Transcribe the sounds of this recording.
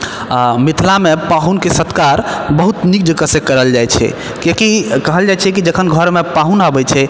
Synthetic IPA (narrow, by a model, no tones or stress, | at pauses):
mit̪ʰlamepaɦunkesət̪kaɾbəɦut̪nik̚d͡ʒəkəsekəɾəld͡ʒajt͡ʃʰɛ̰ | kekikəɦəld͡ʒajt͡ʃʰɛkid͡ʒəkʰənɡʱəɾmepaɦunabət͡ʃʰɛ